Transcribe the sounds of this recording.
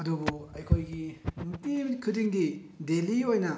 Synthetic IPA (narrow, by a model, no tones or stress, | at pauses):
ɐdubuɐjkʰojɡinutimkʰɯdiŋdi | deliojnɐ